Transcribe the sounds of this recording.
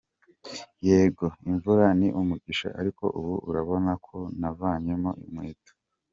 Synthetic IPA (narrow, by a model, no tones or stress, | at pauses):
je̞ːɡo̞iɱvuɾaniʔumuɡiʃa̰ʔaɾiko̞̰ʔuβuṵɾaβo̞nakʰo̞navaːɲemo̞̰ʔimwiːtḁ